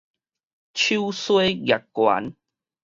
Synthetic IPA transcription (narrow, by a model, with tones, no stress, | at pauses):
t͡ɕʰu˦wswe˦ɣja˨˩kːwa̰˨˦n